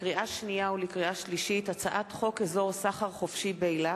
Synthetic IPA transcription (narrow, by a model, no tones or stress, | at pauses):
kʁiʔaʃnijaulikʁiaʃliʃitat͡saʔat̪χo̞kezo̞ʁsaχaʁχofʃibeila